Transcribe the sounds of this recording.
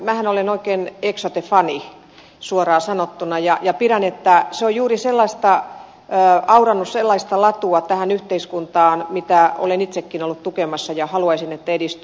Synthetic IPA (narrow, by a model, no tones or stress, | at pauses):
mæhænolenoikeːneksot̪efɑni | suorɑːsɑnot̪ːunɑjɑjɑpiɾænet̪ːæseojjuːriselːɑist̪ɑ | ɑurɑnːusselːɑist̪ɑlɑt̪uɑt̪æhænyht̪eiskunt̪ɑːnmit̪æo̰lenit̪sekːinolːut̪t̪ukemɑsːɑjɑhɑluɑisinet̪ːæedist̪y